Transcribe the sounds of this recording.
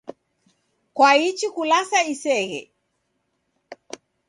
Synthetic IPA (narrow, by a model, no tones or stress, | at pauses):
kwait͡ʃikulasaisɛɣɛ̰